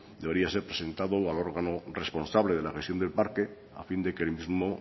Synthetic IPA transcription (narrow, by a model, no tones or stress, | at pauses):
d̪ee̞ɾiase̞ɾpɾese̞nt̪aðoalo̞ɾɣano̞re̞spo̞nsaβle̞ðe̞laxest̪jo̞nd̪e̞lpaɾke̞ | a̰find̪e̞kelmizmo̞